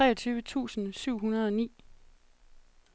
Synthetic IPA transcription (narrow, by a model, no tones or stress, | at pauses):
t͡sʁɛ̰ːɐt͡sʰyːʋət͡sʰṵːsn̩syʊ̰ɦunɐð̞ˠɒ̽nḭː